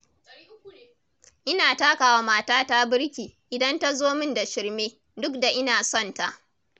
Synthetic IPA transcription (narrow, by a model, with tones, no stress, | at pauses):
ʔɪ˦naː˨taː˦kaː˨wa˦maː˦taː˦taː˦bɪ˦ɾkʲiː˨ʔɪ˨dɐ˦nta˦zoː˦mɪ˦nda˨ʃɪ˨rmeː˦ | dʊ˦kda˨ʔɪ˦naː˨sɔ˦˨nta˦ʔ